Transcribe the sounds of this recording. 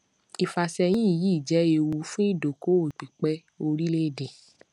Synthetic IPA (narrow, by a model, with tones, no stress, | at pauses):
i˨fa˨sɛ˧j̃ĩ˦i˦˨ji˨˦˨d͡ʒɛ˨˦e˧wu˧˦fũ˦i˦˨do˨ko˦o˦˨k͡pi˨k͡pɛ˦ | o˧ɾi˦le˦˨dẽ˨